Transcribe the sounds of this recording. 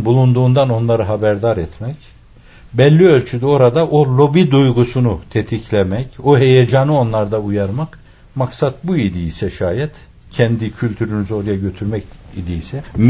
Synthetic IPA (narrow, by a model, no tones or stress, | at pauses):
bulˠund̪uːnd̪ano̞nlˠaɾɯɦabæɾd̪aɾɛt̪mɛc | bɛlʲːiølʲt͡ʃʰyd̪ɛo̞ɾad̪aʔolʲˠo̞bid̪ujɡusunut̪ʰet̪ʰicʰlʲemɛcoɦe̞jed͡ʒanɯo̞nlˠaɾd̪aujaɾmak | maksat̪̚buid̪iisɛʃaːjɛt̪ | cʰɛnd̪icʰylʲt̪ʰyɾynyzo̞ɾajaɟø̞t̪ʰyɾmɛcid̪isɛm